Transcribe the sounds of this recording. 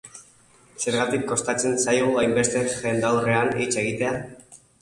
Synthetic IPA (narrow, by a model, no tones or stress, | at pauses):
se̞ɾɣat̪ikːo̞st̪at͡se̞nsajɣuajmbe̞st̪e̞ʝe̞nd̪awre̞anit͡se̞ɣ̞it̪e̞a